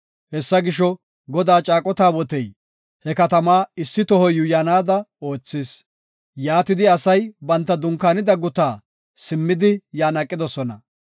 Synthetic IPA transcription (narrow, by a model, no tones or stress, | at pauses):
hɛsːɐɡɪʃɔ | ɡɔd̪aːt͡ʃʼaːkʼɔt̪aːwɔt̪ɛj | hɛkɐt̪ɐmaːɪsːɪt̪ɔhɔjʊjaːnaːd̪ɐo̞ːt͡sːɪːs | jaːt̪ɪd̪ɪɐsɐjbɐnt̪ːɐd̪ʊŋkːaːnɪd̪ɐɡʊt̪aː | sɪmːɪd̪ɪjaːnɐkʼːɪd̪ɔsɔnɐ